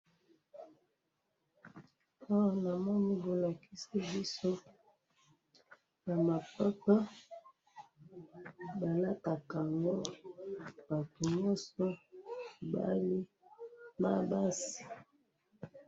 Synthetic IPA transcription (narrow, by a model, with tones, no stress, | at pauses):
a˦wa˨na˨mɔ˦ni˦bo˨la˨ki˦si˦bi˦so˦ | ja˨ma˨pa˦pa˦ | ba˨la˦ta˨ka˨ŋɡo˦ | ba˨tu˨ɲɔ˦sɔ˦˨ | ba̰˦li˦ | ma˦ba˦si̥˨